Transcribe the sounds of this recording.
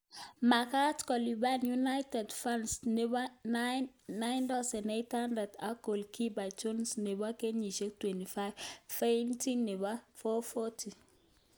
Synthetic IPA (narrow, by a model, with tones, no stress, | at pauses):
ma˨ka˦tkɔ˨libanjunajtɛ˨dfãnsnebanːajntasɛ˨nejthandɛ˨dako˨lki˦ba˨jt͡ʃonsne˨ba˦ke˦ɲi˨ʃe˦k̚twɛ˨nti˨fajvfenti˦nːe˨ba˦fɔ˦fɔtʰi˨